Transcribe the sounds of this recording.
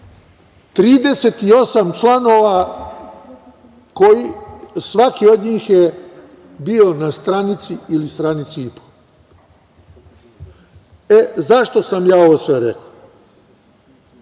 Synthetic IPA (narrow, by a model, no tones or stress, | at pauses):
t̪ɾiːd̪e̞set̪io̞samt͡ʃlano̞ʋa | kojisʋakio̞d̪ɲiːxje | bio̞nast̪ɾanit̪siilist̪ɾanit̪siipo̥ | ezaʃt̪o̞samjaːo̞ʋosʋeɾḛko